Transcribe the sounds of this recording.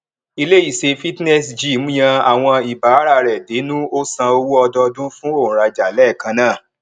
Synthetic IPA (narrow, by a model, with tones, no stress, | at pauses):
i˧le˦i˦˨se˧fi˦tnɛ˦˨sd͡ʒi˦˨˦m̩˦j̃ã˧a˨w̃ɔ̃˧i˨ba˨˦ɾa˧ɾɛ˨de˨˦nũ˦o˦sã˧o˧wu˦ɔ˧dɔ˧dũ˦fũ˦o˦˨ũ˨ɾa˧d͡ʒa˨lɛ˦˨kã˧nãː˦˨